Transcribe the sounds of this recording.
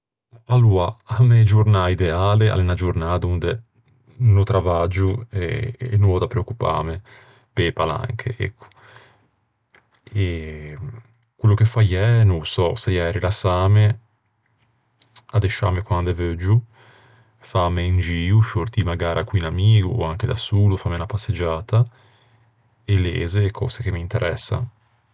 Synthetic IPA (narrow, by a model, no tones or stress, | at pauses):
alːuːaamed͡ʒuɾnaid̪eaːlea̰lenad͡ʒuɾnaːd̪und̪e | not̪ɾavad͡ʒueːnuvɔd̪apɾeokːupa̰ːme | pepala̰ŋkʰḛʔɛ̰kʰːo̥ | e | kwelːukefajɛnosɔsejɛːɾilasaːme | ad̪eʃa̰mekwand̪evød͡ʒu | famːeind͡ʒiːuʃoɾt̪imaɡaːɾʔakwinamiːɡuaŋked̪asuːlufamːenapasːed͡ʒaːt̪a | elḛːzekʰɔ̰ːzek̟emint̪eɾʔɛsːa̰